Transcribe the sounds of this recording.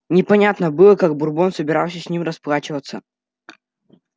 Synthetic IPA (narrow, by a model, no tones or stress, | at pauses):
nʲɪpɐnʲat̪nəbɨlˠəkaɡ̚bʊrbonsəbʲɪɾawsʲəsʲnʲimrɐsplˠat͡ɕɪvət̪sə